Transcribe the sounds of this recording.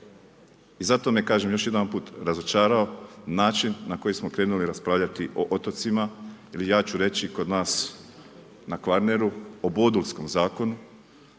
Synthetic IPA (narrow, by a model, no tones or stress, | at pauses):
izat̪o̞mekaːʒe̞mjo̞ʃje̞d̪anpuːt̪ɾazo̞t͡ʃaːɾao̞naːt͡ʃinːako̞jismo̞kɾe̞ːnuliɾaspɾaːʋʎʲat̪iʔo̞ʔot̪o̞t̪sima | ilijaːt͡ʃuɾe̞t͡ɕiko̞d̪naːs | nakʋaɾne̞ɾuoboːd̪ulsko̞mzaːko̞nu